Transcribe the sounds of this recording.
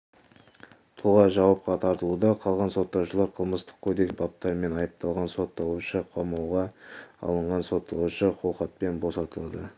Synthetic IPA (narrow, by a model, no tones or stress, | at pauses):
t̪ʰuʁɑʒɑwɑp̚qɑt̪ʰɑɾt̪əlˠud̪ɑqʰɑlˠʁɑnso̞t̪ːɑwʃəlˠɑɾqʰəlˠməst̪ə̥q̚kʲʰod̪e̞kbɑp̚t̪ɑɾme̞nɑjəp̚t̪ɑlˠʁɑnso̞t̪ːɑlˠuʃəqʰomɑwʁɑɑ̰lˠəɴʁɑnso̞t̪ʰːɑlˠuʃəqʰo̞lˠqɑt̪̚pe̞nbo̞sɑt̪əlˠɑd̪ə